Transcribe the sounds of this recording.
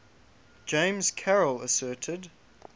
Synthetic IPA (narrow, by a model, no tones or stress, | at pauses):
d̥ʒ̥ẽɪ̃mz̥kʰɛɹəlˠəsɜˑtʰɪd